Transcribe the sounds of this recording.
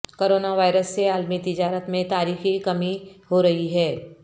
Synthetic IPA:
koːɾoːnaʋaːɪɾəsːeaːlmit̪ɪd͡ʒaːɾət̪mẽt̪aːɾiːxikɐmiɦoɾɐɦiɦɛː

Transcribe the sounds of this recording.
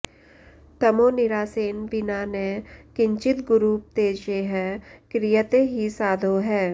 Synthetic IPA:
t̪ɐmõnɪɾaːseːnʋɪnaːnekɪ̃ɲt͡ʃɪt̪ɡʊɾuːp̚t̪eːd͡ʒeɦɛ̃ːkɾijət̪eɦisaːd̪ʱoɦɛː

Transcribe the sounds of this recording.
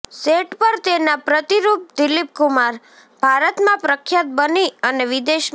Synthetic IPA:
seʈpəɾt̪enapɾət̪iɾup̚d̪ilip̚kumaɾ | bʱaɾət̪mãpɾəkʰjat̪̚bəniəneʋid̪eʃ

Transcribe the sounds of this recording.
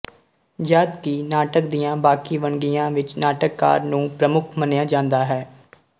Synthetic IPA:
d͡ʒaːd̪kiːnaːʈək̚d̪ijãːbaːkiːʋəɳɡɪjãːʋɪt͡ʃnaːʈəkːa̰ːɾnũːpɾəmʊkʰmənjaːd͡ʒãːnd̪aːɦɛː

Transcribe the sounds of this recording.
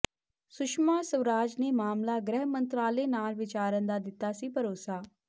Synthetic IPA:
sʊʃmaːsəʋɾaːd͡ʒneːmaːmlaːɡɾɛːɦmənt̪ɾaːleːnaːlʋɪt͡ʃaːɾənd̪aːd̪ɪt̪ːaːsiːpəɾoːsaː

